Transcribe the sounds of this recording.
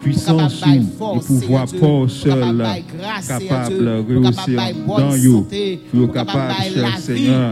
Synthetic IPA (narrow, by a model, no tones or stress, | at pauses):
pɥisɑ̃suepuvwapɔsœl | kapablʁeoseɑ̃d̪ɑ̃jopujokapabʃɛʁsɛɲœ